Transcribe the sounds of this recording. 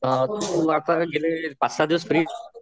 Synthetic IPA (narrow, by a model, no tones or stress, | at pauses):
t̪uʋaːɾt̪aɡɪlẽpasad̪iʋəsfʰəɾi